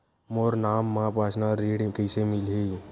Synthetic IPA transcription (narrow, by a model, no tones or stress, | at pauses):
moːɾnaːmːãpaːt͡ʃnaɾeːɽẽkəɪsemɪlɦe